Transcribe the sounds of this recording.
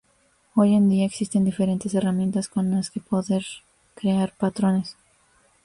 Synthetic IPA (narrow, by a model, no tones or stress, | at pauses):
oje̞nd̪iaeksist̪e̞nd̪ifeɾe̞nt̪ese̞ramjent̪asko̞nlaske̞po̞ðeɾ | kɾeaɾpat̪ɾones